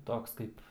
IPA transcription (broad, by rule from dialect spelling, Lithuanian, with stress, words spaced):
ˈtoːks kɐɪp